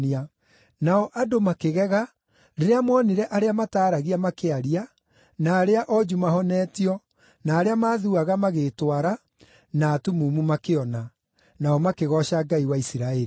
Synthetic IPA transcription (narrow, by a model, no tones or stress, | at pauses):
ia | naɔʔadomakeɣɛɣa | ɾeɾeamɔneɾɛʔaɾeamataːɾaɣiamakeaɾia | naːɾeaʔɔd͡ʒumaɦɔnɛːtiɔ | naːɾeamaːðuaɣamaɣetwaɾa | naːtumumumakeɔna | naɔmakeɣɔɕaɡaiwaisiɾaɛɾi